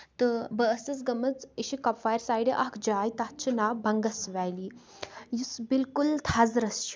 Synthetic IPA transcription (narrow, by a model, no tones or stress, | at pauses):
t̪əbəːsɐt͡sɡɐmɐt͡siɕikɔpfajəɾsaːjɽeʔakʰd͡ʑaːjt̪at̪̚t͡ʃʰinabɐŋɡɐsʋajli | jusbilkult̪ʰazɾɐsʃ